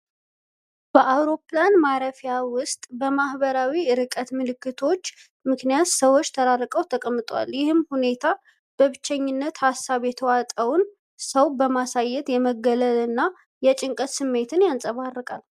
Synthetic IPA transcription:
b̥əʔawɾo̞planmaɾəfijawʊst̪ʼbəmahbəɾawiɨɾɨkʼət̪mɨlɨkːɨt̪ʰo̞t͡ʃː | mɨknijat̪səwːo̞t͡ʃːt̪ʰəɾarːəkʼəwt̪ʰəkʼəmːɨt̪ʼwa̰ljɪhɨmhune̞t̪ʰa | b̥əβɨt͡ʃːɛɲːɪnːət̪hasːaβjɛt̪ʰəwat̪ʼəwn | səwbəmasajːɛt̪jɛməɡːələlɨnːa | jɛt͡ʃʼɪŋkʼət̪sɨmːe̞t̪ʰɨnjansʼəβarːəkʼa̰l

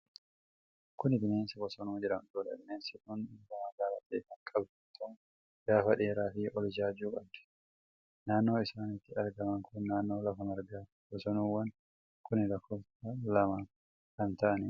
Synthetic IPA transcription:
kʊnɪd̪ɪneːnsɐbɔsɔnuːd͡ʒɪɾɐmd̪uːᶑɐ̰d̪ɪneːnsɪk̪ʊnɪnɡɐmɐɡaːla̰t̪ːkɐŋkʼɐbd̪ɐt̪ʰːɔm | ɡaːfɐᶑe̞ːɾaːfɪʔɔld͡ʒaːd͡ʒuːkʼɐb̚d̪̥ɪ̥ | naːnːo̞ːɪsaːnɪt̪ːɪɐɾɡɐmɐŋkʊnːaːnːo̞ːlɐfɐmɐɾɡaː | bɔsɔnuːwːɐn | kʊnɪlɐkːɔlt̪ɐlɐmaː | kɐnt̪ɐʔɐnɪ

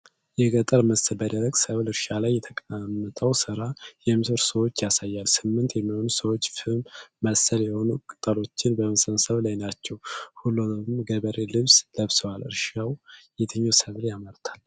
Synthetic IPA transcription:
jɛɡət̪ʼəɾməsəlbəd̪əɾəɡsəβlɨɾʃalajːɛt̪ʰəkʼamːət̪ʼʰəwsɨɾajɛmɨsɨɾsəwo̞t͡ʃːjasajːalsɨmːɨnt̪jɛmːiho̞nusəwo̞t͡ʃːfɨmːəsəljɛho̞nukʼɨt̪ʼəlo̞t͡ʃːɪnbəməsənsəβlajnat͡ʃːɛwhulumɡəβəɾelɨβsləβsəwalɨ̰ɾʃawjɛt̪ʰɨɲːowsəβljaməɾt̪ʰḁl

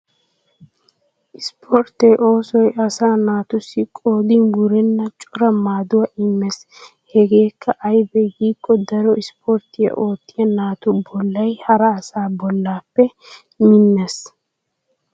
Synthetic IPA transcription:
ʔɪspʰɔɾt̪eːʔo̞ːsɔjʔɐsaːnaːt̪ʊsːɪkʼoːd̪ɪnɡʊɾɛnːɐt͡ʃʼʊɾɐmaːd̪ʊwɐʔɪmːɛs | hɛɡe̞ːkːɐʔɐjbɛɡiːkʼːɔd̪ɐɾɔɪspʰoɾt̪ɪjɐ̰ʔo̞ːt̪ːɪjɐnaːt̪ʊbɔlːɐjhɐɾɐːsaːbɔlːaːpːɛ | mɪnːɛs

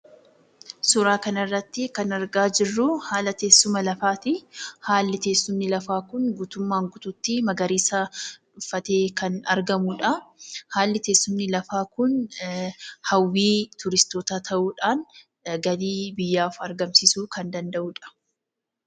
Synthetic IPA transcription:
sʊɾaːkɐnɐrːɐt̪ːɪkɐnɐɾɡaːd͡ʒɪrːʊhaːlɐt̪e̞ːsːʊmɐlɐfaːt̪ɪhaːlːɪt̪e̞ːsːʊmnɪlɐfaːkʊnɡuːt̪ʊmːaːŋɡʊt̪ʊt̪ːɪmɐɡɐɾiːsɐᶑʊfːɐt̪eːkɐnɐ̰ɾɡɐmʊᶑɐhaːlːɪt̪e̞ːsːʊmnɪlɐfaːkʊn | hɐwːiːt̪ʊɾɪst̪oːt̪aːt̪ʰɐʔuːᶑaːn | ɡɐd̪iːbɪjːaːfɐɾɡɐmsisuːkɐnd̪ɐnd̪ɐʔuːᶑɐ̥

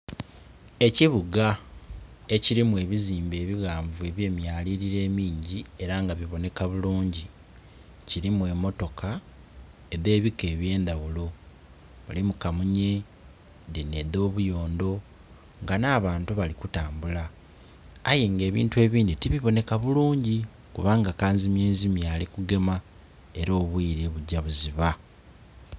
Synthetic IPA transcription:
e̞ciβuɡa | e̞ciɾimue̞βiziːmbe̞ːβiɣaːɱvue̞βje̞ːmjaːliɾiɾe̞ːmiːɲɟie̞ɾaŋɡaβiβo̞ne̞kaβuluːɲɟi | ciɾimuwe̞mo̞to̞ka | eðe̞ːβike̞ːβje̞ːnd̪aɣulo̞ | βalimukamuɲe̞ | deneðo̞ːβujo̞ːndo̞ | ŋɡanaːβaːntuβalikutaːmbulaː | je̞ŋɡe̞ːβḭːntuwe̞ːβiːnd̪itiβiβo̞ne̞kaβuluːɲɟi | kuβaːŋɡakaːnzimje̞ːzimjaːlikuɡe̞ma | e̞ɾo̞ːβwiːɾe̞βuɟːaβuziβa

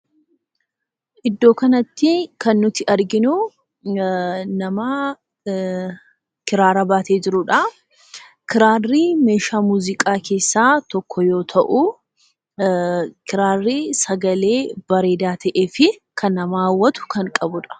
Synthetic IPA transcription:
ʔɪd̪ːo̞ːkɐnɐt̪ːɪkɐnːʊt̪ɪʔɐɾɡɪnʊ | nɐmaː | kɪɾaːɾɐbaːt̪eːd͡ʒɪɾʊᶑɐ | kɪɾaːrːiːme̞ːʃaːmuːzɪkʼaːkʰe̞ːsːaːt̪ɔkʰːɔjo̞ːt̪ʰɐʔʊ | kɪɾaːrːisɐɡɐle̞ːbɐɾe̞ːd̪aːt̪ʰɐʔeːfɪkɐnɐmaːwːɐt̪ʊ̥kɐŋkʼɐbʊᶑɐ̥

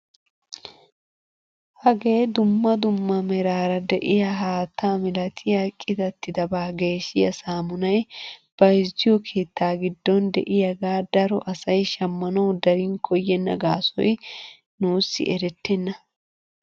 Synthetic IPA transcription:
hɐɡe̞ːd̪ʊmːɐd̪ʊmːɐmɛɾaːɾɐd̪ɛʔɪjɐɦaːt̪ːaːmɪlɐt̪ʰɪjɐkʼːɪd̪ɐt̪ːɪd̪ɐbɐɡe̞ːʃɪjɐsaːmʊnɐjb̥ɐɪzɪjɔkʰeːt̪ːaːɡɪd̪ːɔnd̪ɛ̰ʔɪjɐɡaːd̪ɐɾɔ̰ʔɐsɐjʃɐmːɐnɐwd̪ɐɾiŋkʰɔjːɛnːɐ̰ɡaːsɔ̰j | nuːsːɪ̰ʔɛɾɛt̪ːɛnːɐ

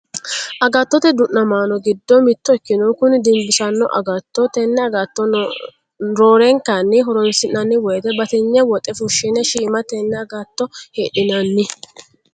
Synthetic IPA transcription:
ʔɐɡɐt̪ːɔt̪ɛd̪ʊʔːɐmaːnɔɡɪd̪ːɔmɪt̪ːɔɪkːɪnɔkʊnɪd̪ɪmbɪsɐnːɔ̰ʔɐ̰ɡɐt̪ːɔt̪ɛnːɛɐɡɐt̪ːɔ | ɾoːɾɛŋkːanːɪɦɔɾɔnsɪnːɐnːɪwɔjɛt̪ɛbɐt̪ɪɲːɛwɔt̪ʼɛfʊʃːɪnɛʃiːmɐt̪ɛnːɛɐɡɐt̪ːɔheːɗɪnɐnːɪ

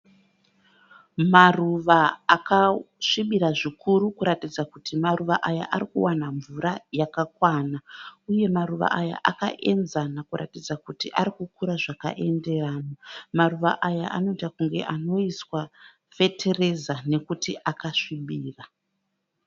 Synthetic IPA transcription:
maruʋaːkaʂiɓiɾaʐikuɾukuɾatid͡zakutimaruʋaʔaja̰ʔaɾikṵwanaɱvuɾajakakwaːnauje̞maɾuʋa̰ʔaja̰ʔaka̰ʔe̞nzanakuɾa̰tid͡zakutiʔaɾikukuɾaʐaka̰ʔe̞nde̞raːnomaruʋa̰ʔajaʔano̞itakuŋɡe̞ʔano̞iswa | fe̞tʰe̞re̞zane̞kutiʔakaʂiɓiːra

